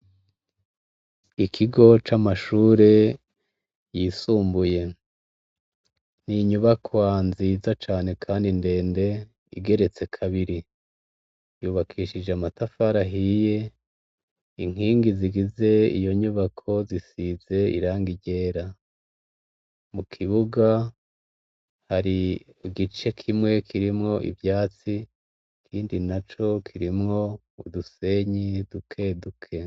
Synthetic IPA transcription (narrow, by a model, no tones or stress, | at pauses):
ikʰiɡo̞t͡ʃamaʃuːɾe̞ | jiːsuːmbuje̞ | n̥iɲuβakʰwanziːzat͡ʃaːne̞kʰaːndinde̞ːnde̞ | ḭɡe̞ɾe̞t͡se̞kʰaβiɾi | juːβakʰiːʃid͡ʒeamatafaɾaɦiːje̞ | iŋ̥iːŋɡiziɡize̞ḭjo̞ɲuβakʰo̞zisize̞ḭɾaːŋɡiɟe̞ːɾa | mukʰiβuɡa | haɾi | ɡit͡ʃe̞kʰimŋe̞kʰiɾimŋo̞ʔḭvjaːt͡si | kʰiːndinat͡ʃo̞kʰiɾimŋo̞ | uduse̞ɲidukʰe̞dukʰe̞